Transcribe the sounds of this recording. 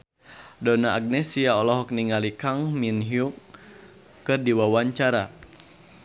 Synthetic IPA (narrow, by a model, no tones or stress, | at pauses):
dɔnaʔːɡ̚nɛsiaɔlɔɦɔk̚niŋalikaŋminɦiuk | kːɨrdiwawaɲt͡ʃaɾa